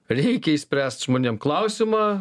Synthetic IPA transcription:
ɾʲɛɪkʲɛisʲpʲɾʲæːst̪ʒmoːnʲeːmklˠɐʊsʲɪmɑː

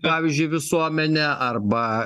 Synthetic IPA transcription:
pɑːʋʲiːzʲd͡ʒʲʊɪʋʲɪsuɔmʲɛnʲɛʔɐɾbɐ

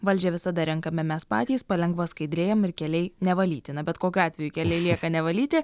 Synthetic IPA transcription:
ʋɐlʲd͡ʒʲɛʋʲɪsɐd̪ɐɾʲɛŋkɐmʲɛmʲɛspɑ̰ːt̪ʲiːspɐlʲɛŋɡʋɐskɐɪd̪ʲɾʲeːjɛmɪɾkʲɛlʲɛɪnʲɛʋɐlʲḭːt̪ʲɪnɐbʲɛt̪koːkʲuɑːt̪ʲʋʲɛjukʲɛlʲɛɪlʲiɛkɐnʲɛʋɐlʲiːt̪ʲɪ

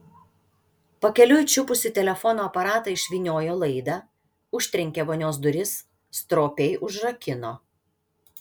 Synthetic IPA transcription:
pɐkʲɛlʲʊjt͡ʃʲʊpʊsʲʊt̪ʲɛlʲɛfɔnoːɐpɐɾɑːt̪ɐɪʃʲʋʲiːnʲoːjoːlˠɐɪd̪ɑ | ʊʃʲt̪ʲɾʲɪŋʲkʲeʋoːnʲoːsd̪ʊɾʲɪs | st̪ɾoːpʲɛɪʔʊʒɾɐkʲɪnoː

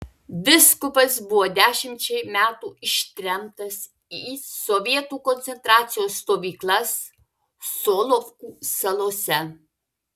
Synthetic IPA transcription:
bʲɪskʊpɐsbʊʋoːd̪ʲæːʃʲɪmʲt͡ʃʲɛɪmʲæːt̪uːɪʃʲt̪ʲɾʲɛm̚t̪ɐs | iːsɔʋʲiɛt̪uːkɔnt̪sʲɛnt̪ɾɑːt̪sʲɪjoːsːt̪oːʋʲiːklˠɐs | soːlˠofkuːsɐlˠoːsʲɛ

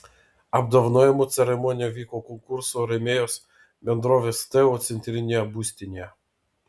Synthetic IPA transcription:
ɐb̚d̪ɐwnɔjɛmɔt̪sʲɛɾemɔnʲijɐʋʲikɔkɔnkuɾsɔɾemʲejɔs | mʲɛnd̪ɾɔʋest̪ɛɔt̪senʲt̪ɾʲinʲiɐbusʲt̪ʲinʲɐ

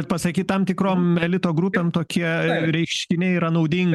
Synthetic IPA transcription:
t̪̚pɐsɐkʲiːt̪t̪ɐmt̪ʲɪkɾoːmɛlʲɪt̪oːɡɾupʲemt̪oːkʲiɛɾʲɛɪkʃʲkʲɪnʲɛɪiːɾɐnɐʊd̪ʲɪŋɡ

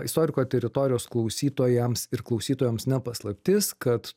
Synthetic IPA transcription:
ɪst̪oːɾʲɪkoːt̪ʲɛɾʲɪt̪oːɾʲɪjoːsklˠɐʊsʲiːt̪oːjɛmsɪɾklˠɐʊsʲiːt̪oːjɛmsnʲɛpɐslˠɐpʲt̪ʲɪskɐt̪

